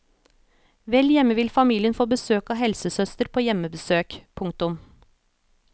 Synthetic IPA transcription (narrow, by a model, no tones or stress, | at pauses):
ʋɛljɛməʋɪlfɑmiːlɪənfoːbəsøːkɑːhɛlsəsœst̪əɾpʰoːjɛməbəsøːkpʰʊŋk̚t̪ʊm